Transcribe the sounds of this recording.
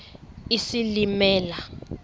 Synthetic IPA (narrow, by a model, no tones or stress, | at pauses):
isilimɛːla